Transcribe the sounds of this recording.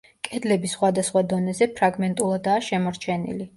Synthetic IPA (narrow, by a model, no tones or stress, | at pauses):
kʼɛd̪lɛbisχwad̪asχwad̪ɔnɛzɛpʰɾaɡmɛnt̪ʼulˠad̪aːʃɛmɔɾt͡ʃʰɛnḭli